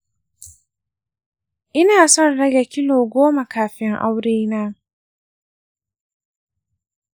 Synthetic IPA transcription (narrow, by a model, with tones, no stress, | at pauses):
ʔɪ˦naː˨sɔ˦˨nɽɐ˦ɡa˨kʲɪ˦loː˨ɡʷoː˦ma˨kaː˨ɸɪ˦ŋʔa̰˦wɽeː˦naː˦